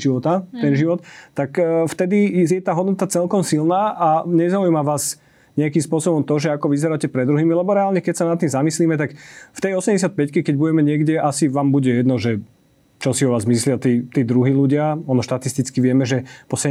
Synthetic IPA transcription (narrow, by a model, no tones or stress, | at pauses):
iʋɔt̪at̪ɛnʒiʋɔt̪t̪ːakft̪ɛd̪ijɛt̪aːɦɔd̪nɔt̪at͡sɛlkɔmsilnaːʔaɲɛzaujmaʋaːz | ɲɛakimspʊɔsɔbɔmt̪ɔʒɛakɔʋizɛɾaːcɛpɾɛd̪ɾuɦiːmilɛbɔɾɛaːlɲɛkɛcsanat̪ːimzamisliːmɛt̪akft̪ɛjɔsɛmɟɛs̬at̪̚pɛckɛkɛɟbuɟɛmɛɲɪɛɡɟɛʔasiʋaːmbuɟɛjɛd̪nɔʒɛ | t͡ʃɔsiɔʋaːzmislɪat̪iːt̪iːd̪ɾuɦiluɟɪaɔnɔʃt̪at̪ist̪it͡skiʋɪɛmɛʒɛpɔsɛ